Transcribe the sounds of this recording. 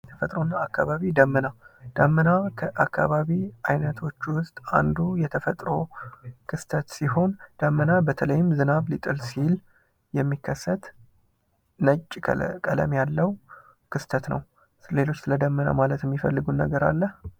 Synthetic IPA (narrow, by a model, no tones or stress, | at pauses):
jɛt̪ʰəfət̪ʼɾonːaakːa̰βaβid̪əmːɨnad̪̥əmːɨnakʰəʔakːaβaβiajnət̪ʰo̞t͡ʃːwʊst̪ʼa̰nd̪ujɛt̪ʰəfət̪ʼɾo̞kʰɨst̪ʰət̪siho̞nd̪̥əmːɨnabət̪ʰələjːɪmzɨnaβlit̪ʼɨlsil | jɛmːikʰːəsːət̪ | nət͡ʃʼːkʼələ̰mjalːəw | kʰɨst̪ʰət̪nə̰w | sle̞lo̞t͡ʃːsɨləd̪əmːəna̰malət̪jɛmːifəlːɨɡunːə̰ɡəɾa̰lːəh